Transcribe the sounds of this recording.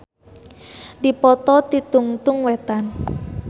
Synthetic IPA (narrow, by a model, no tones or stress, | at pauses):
dipɔt̪ɔt̪it̪uŋt̪ʊŋwɛt̪an